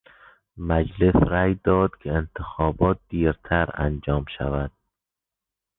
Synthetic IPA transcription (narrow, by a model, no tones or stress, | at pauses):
mæd͡ʒlesɾæjd̪ɒːd̪̥kʲʰeent̪ʰexɒːbɒːt̪̚d̪̥iːɾt̪ʰæɾæ̰nd͡ʒɒːmʃæ̰væd̪̥̚